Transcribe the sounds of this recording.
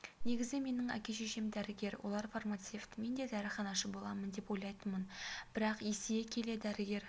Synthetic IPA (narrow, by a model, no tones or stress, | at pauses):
ne̞ɡʲɪzɪme̞nɪŋæ̰kʲe̞ʃeʃe̞md̪æɾɪɡʲe̞ɾwʔo̰lˠɑɾfarmat̪se̞ft̪me̞nd̪e̞d̪æɾɪχɑnɑʃəbo̞lˠɑmənd̪e̞po̞jlˠɑjt̪ənmənb̥ɪɾɑqesejekʲʰe̞le̞d̪æɾɪɡʲe̞ɾ